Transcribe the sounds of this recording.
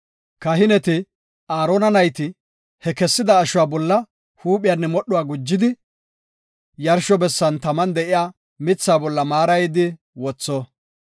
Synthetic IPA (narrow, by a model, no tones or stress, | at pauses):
kɐɦɪnɛt̪ɪ | aːɾoːnɐnɐjt̪ɪ | hɛkɛsːɪd̪ɐːʃʊwaːbɔlːɐ | huːpʼɪjaːnːɛmɔɗʊwaːɡʊd͡ʒːɪd̪ɪ | jɐɾʃɔbɛsːɐnt̪ɐmɐnd̪ɛʔɪjaː | mɪt͡sːaːbɔlːɐmaːɾɐjɪd̪ɪ | wɔt͡sːɔ